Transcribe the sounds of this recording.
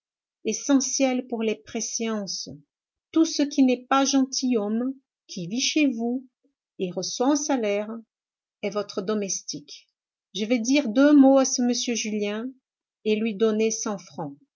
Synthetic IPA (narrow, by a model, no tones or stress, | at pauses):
esɑ̃sjɛlpuʁlepχeseɑ̃s | t̪usəkʲinɛpaʒɑ̃t̪ʰijɔm | kʲʰiviʃevu | eʁəswaɑ̃salɛʁ | ɛvɔt̪χəd̪ɔmɛst̪ik | ʒəvɛd̪iʁd̪ømoasəməsjøʒyljɛ̃ | elɥid̪ɔnesɑ̃fχɑ̃